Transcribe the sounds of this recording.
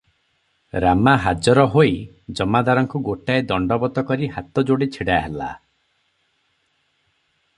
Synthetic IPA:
ɾamaɦad͡ʒɔɾɔɦoj | d͡ʒɔmad̪aɾɔŋkuɡoʈaed̪ɔɳɖɔbɔt̪ɔkɔɾiɦat̪ɔd͡ʒoɽit͡ʃʰiɽaɦela̰

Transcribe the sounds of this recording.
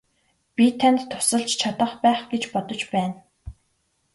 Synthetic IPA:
pʲit̪ʰant̪ʰːʊ̥sə̆ɮt͡ɕt͡ɕʰat̪ə̆χpæːχɡet͡ɕpɔt̪ɞ̆t͡ɕpæːn

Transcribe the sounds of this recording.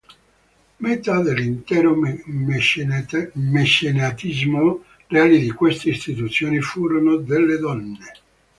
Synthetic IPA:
met̪ad̪elːint̪ɛːɾo | mesenat̪izmo | reaːlid̪ikwest̪eist̪it̪ut̪sːjoːnifuːɾonod̪elːed̪ɔnːe

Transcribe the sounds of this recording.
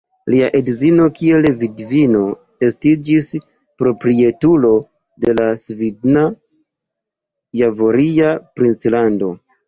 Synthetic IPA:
liaʔedzino̞kie̞lvidvino̞ | e̞stid͡ʒis | pɾo̞pɾie̞tulo̞ | de̞lasvidna | javoɾiapɾint͡slando̞

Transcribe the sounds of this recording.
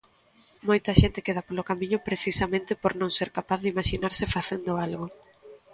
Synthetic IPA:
mojt̪ɐʃent̪ɪkeð̞apolokamĩɲʊpɾeθisamẽnt̪ɪpoɾnõŋseɾkapaθðimaʃinaɾsɪfaθend̪ʊalɣo

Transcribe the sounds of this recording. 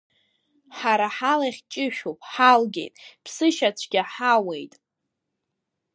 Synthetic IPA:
ħaɾaħalaχʲt͡ʃʼɪʃᶣopʼħalɡʲḛjtʼpʰsɨʃat͡ɕʷʰɡʲaħawe̞jtʼ

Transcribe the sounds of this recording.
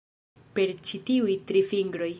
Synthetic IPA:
pe̞ɾt͡ʃitiujtɾifiŋɡɾo̞j

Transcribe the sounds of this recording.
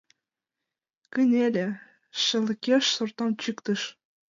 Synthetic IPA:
kɘ̆nʲelʲĕ | ʃɤ̆lə̆kʲeʃsort̪ɑnt͡ɕykt̪ɤ̆ʃ

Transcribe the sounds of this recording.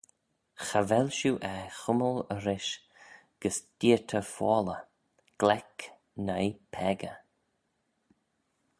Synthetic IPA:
xavɛlʃuːʔɛxʊmələɾɪʃ | ɡ̥əsd̥iət̪ʰəfɔːlə | ɡ̥lɛk | najpʰɛɡə

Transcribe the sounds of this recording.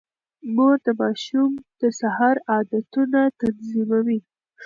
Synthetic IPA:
mud̪əmɑʃumd̪̥əsahɑɾɑd̪at̪unat̪anzimawi

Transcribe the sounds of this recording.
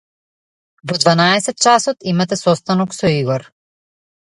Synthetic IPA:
vɔd̪vanaɛsɛt̪̚t͡ʃasɔt̪imat̪ɛsɔst̪anɔksɔiɡɔɾ

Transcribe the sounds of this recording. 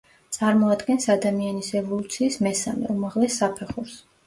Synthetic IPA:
t̪sʼaɾmɔad̪ɡɛnsad̪amianisɛvɔlˠut̪sʰiːsmɛsamɛ̰umaʁlɛsːapʰɛχuɾs

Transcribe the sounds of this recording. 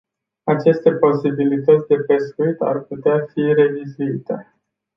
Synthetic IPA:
at͡ʃe̞st̪e̞po̞sibilit̪ət̪sʲd̪e̞pe̞skuit̪a̰rput̪eafire̞vizuit̪e̞

